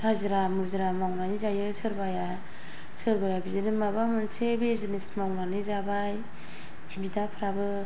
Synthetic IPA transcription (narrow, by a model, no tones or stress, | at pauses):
tʰaziɾamuɾziɾamawnanizajɯsʰɯɾbaja | sʰɯɾbajabizɯnimabamɯnsebezɯnismawnanizabaj | hbidapʰɾabɯ